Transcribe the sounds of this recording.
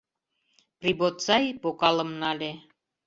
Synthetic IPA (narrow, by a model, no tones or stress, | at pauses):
pribot̪t͡sɑjpokɑlə̆mnɑlʲe